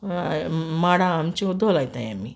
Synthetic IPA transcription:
maːɽaːmt͡ʃud̪olɐjt̪aja̰mːi

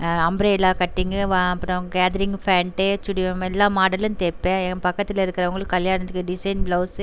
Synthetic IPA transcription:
ɐmbɾeːlaːkɐʈːiŋɡɐʋɐpːɐɽ̃ɐʋɐŋɡɐkaːðɐɾɪŋɡfaːɳʈet͡ʃʊɽɪjɐ̃mɛlːaːmaːɽɐlɯnt̪eːpːẽːpɐkːɐt̪ːɪlɪɾɯkːɪɾɐɐŋɡɐɭɯkːɯːkːɐljaːnɐt̪ːɯkːɯɖɪsɐɪnbloːs

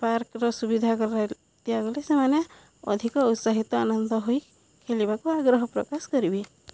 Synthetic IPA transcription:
paɾkɾɔsubid̪ʱakɔɾa | t̪ijaɡɔlesemane | ɔ̰d̪ʱikɔut̪saɦit̪ɔanɔnd̪ɔɦoj | kʰelibakuaɡɾɔɦɔpɾɔ̰kaskɔɾibe

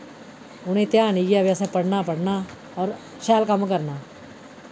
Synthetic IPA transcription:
ʊnẽːt̪jaːniɡjaːʋɛːsɛːpəɽnaːpəɽnaː | ɔːɾ | ʃɛːlkəmkəɾnaː

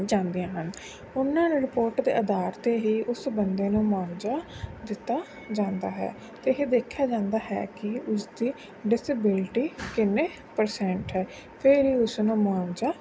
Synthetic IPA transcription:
d͡ʒãːnd̪ijãːɦən | ʊnːãːnẽɾɪpoːɾʈd̪ḛːʔəd̪aːɾt̪eːɦiːʔʊsbənd̪eːnũːmʊaːʋd͡ʒaːd̪ɪt̪ːaː | d͡ʒãːnd̪a̰ːɦɛ̰ː | t̪eːɦeːd̪eːkʰːjaːd͡ʒãːnd̪aːɦɛ̰ːkɪʊsd̪iː | ɖɪsɪbɪlʈiːkɪneː | pəɾsɛ̃ːɳʈɦɛː | pʰɪɾɦiːʊsnũːmʊaːʋd͡ʒaː

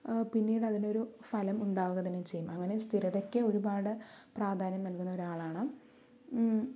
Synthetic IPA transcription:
pinːiːɽɐðino̞ɾufɐlɐmuɳɖaːʋuɣɐt̪ɐnːet͡ɕe̞jːumɐŋːɐne̞st̪ʰiɾɐðo̞kːeo̞ɾubaːɽɨpraːd̪ʱaːnjɐmnɐlkunːɐoɾuaːɭaːɳɨ

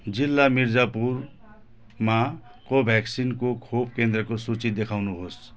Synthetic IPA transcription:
d͡zilːamiɾd͡zapur | ma | kobʱjaksinkokʰobkend̪rʌkosut͡sid̪ekʰawnuɦos

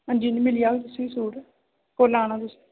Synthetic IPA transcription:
ɦə̃ɲd͡ʒiːnĩːmɪlijaːɡt̪ʊsĩːsuːɽ | koːlaːɽ̃ãːt̪ʊs

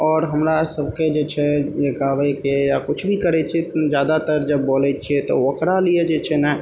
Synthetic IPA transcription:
ɔːɾɦəmɾasəb̚ʱked͡ʒeːt͡ʃʰejekaːwekejakʊt͡ʃʰbʱikəɾet͡ʃʰied͡ʒjaːd̪at̪əɾd͡ʒəbːoːlet͡ʃʰiet̪o̰ʋəkɾalied͡ʒeːt͡ʃʰenɛɦ

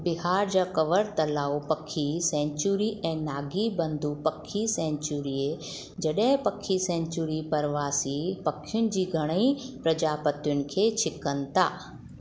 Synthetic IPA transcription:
bɪɦaːɾd͡ʑaːkɐʋəɾt̪ɐlaːopɐkʰːisɛ̃ːɲt͡ɕuɾiʔɛ̃ːnaːɡibɐ̃nd̪ʱupɐkʰːisɛ̃ːɲt͡ɕuɾiːe | d͡ʑɐɗɦɪ̃pɐkʰːisɛ̃ːɲt͡ɕuɾipɐɾʋaːsipɐkʰɪjʊnɪ̆d͡ʑiːɡʱɐɽ̃əĩpɾɐd͡ʑaːpɐt̪jʊnɪ̆kʰeːt͡ɕʰɪkənɪ̆t̪aː

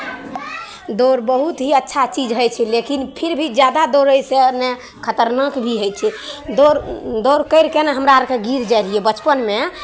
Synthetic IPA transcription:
d̪oɾbəɦut̪ɦiətːʃʰat͡ʃid͡ʒɦəjt͡ʃʰɛlekinpʰiɾbʱid͡ʒjad̪ad̪oɾəjsene | kʰət̪əɾnəkbʱiɦəjt͡ʃʰɛd̪oɾd̪oɾkəɪɾkeneɦəmɾaɾkeɡiɾd͡ʒajɾijebət͡ʃpənme

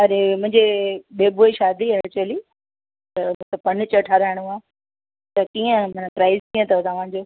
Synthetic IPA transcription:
ɐɾemʊ̃ɦɪ̃ɲd͡ʑeɓeːboːiʃaːd̪ʱiɐɽt͡ɕɐli | t̪ɐmũt̪ɐpɐnt͡ɕɐʈʰaːɾaːɪɽ̃uaː | t̪ɐkiːə̃mɐnpɾaːɪzkĩːə̃t̪ʰɐt̪ɐʋ̤ã̆ːd͡ʑoː

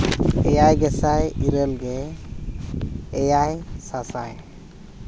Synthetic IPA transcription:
ɛjajɡɛsajiɾəlɡɛ | jajsasa̰j

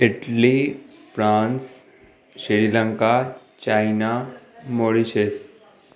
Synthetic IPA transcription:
ɪʈlifɾaːns | ʃiɾiləŋka | t͡ɕaːinamoɽit͡ʃʰes

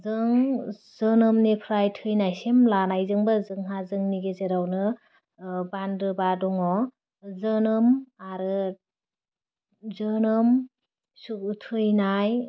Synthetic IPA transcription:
zɯŋzɯnɯmnipʰɾajtʰɯjnajsemlanajzɯŋbɯzɯŋɦazɯŋniɡezeɾawnɯ | bandɾɯbadɔŋɔ | zɯnɯmaɾɯ | zɯnɯm | sutʰɯjnaj

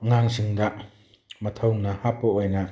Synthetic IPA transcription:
ŋaŋsiŋd̪aʔ | mɐt̪ʰɔwŋnahapɔʔɔjna

